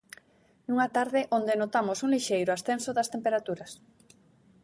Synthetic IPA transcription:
nuŋat̪aɾðɪʔond̪enot̪amosuŋliʃejɾʊasθensoðɐst̪empeɾat̪uɾɐs

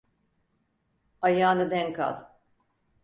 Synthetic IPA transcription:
ajaːnɯd̪ɛŋkʰa̰lˠ

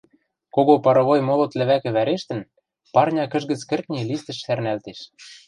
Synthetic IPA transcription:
koɣopɑɾɤ̆βojmolŏt̪lɘ̆βækɘ̆βæɾeʃt̪ə̆n | pɑrnʲɑkə̆ʒɣə̆t͡skɘ̆rk̪̚nʲelist̪ɘ̆ʃsærnælt̪eʃ

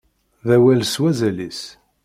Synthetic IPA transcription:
ðæwælswæzælis

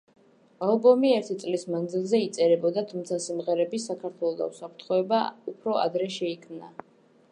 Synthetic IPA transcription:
alˠbɔmiɛɾt̪ʰit̪sʼlismand̪zilˠzɛit̪sʼɛɾɛbɔd̪at̪ʰumt̪sʰasimʁɛɾɛbisakʰaɾt̪ʰwɛlˠɔd̪a̰usapʰɾt̪ʰχɔɛbaupʰɾɔa̰d̪ɾɛʃɛikʰmna̰

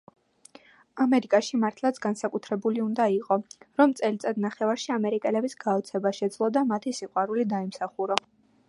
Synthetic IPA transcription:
amɛɾikʼaʃimaɾt̪ʰlˠat̪sʰɡ̥ansakʼut̪ʰɾɛbuliund̪aiqʼɔɾɔmt̪sʼɛlit̪sʼɛd̪naχɛvaɾʃiamɛɾikʼɛlɛbisɡaɔt̪sʰɛbaʃɛd̪zlˠɔd̪amat̪ʰisiqʼwaɾulid̪aimsaχuɾɔ

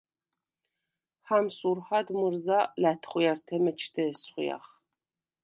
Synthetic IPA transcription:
ħamsʼurħadmɨrzalatʰχʷʊjɛrtʰɐmɐt͡ʃʰtʰɐsχʷʊja̰χ

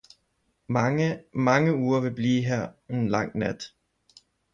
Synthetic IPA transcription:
mɑ̈ŋəuːɐʋe̝b̥liːɦæɐ̰e̝nlɑ̈ŋ̰næd̥

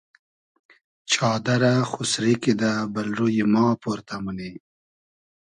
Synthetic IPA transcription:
t͡ʃʰɑːd̪aɾaxusɾikid̪abalɾujimɑːpoɾt̪amuni

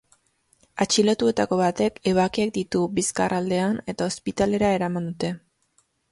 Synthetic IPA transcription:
at͡ʃilot̪ue̞t̪ako̞βat̪e̞ke̞β̞akiek̚d̪it̪ubiskarald̪e̞ane̞t̪ao̞spit̪ale̞ɾae̞ɾamand̪ut̪e̞

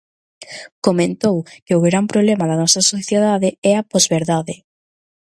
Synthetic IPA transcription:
komẽnt̪owkɪʊɣɾampɾoβlemɐðɐnɔsɐsoθjeðaðɪɛɐpɔzβeɾðaðɪ

